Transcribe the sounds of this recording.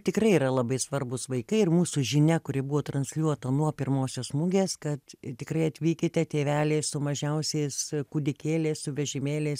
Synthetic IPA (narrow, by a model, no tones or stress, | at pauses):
t̪ʲɪkrɐɪiːɾɐlˠɐbɐɪsʋɐrbʊsʋɐɪkɐɪɪrmuːsʊʒʲɪnʲɛkʊɾʲɪbʊʋoːt̪rɐnʲsʲlʲuɔt̪ɐnuɔpʲɪrmoːsʲoːsmʊɡʲeːskɐt̪t̪ʲɪkrɐɪɐt̪ʲʋʲiːkʲɪt̪ʲɛtʲeːʋʲæːlʲeɪssʊmɐʒʲɛʊsʲeɪskud̪ʲɪkʲeːlʲeːssʊʋʲɛʒʲɪmʲeːlʲes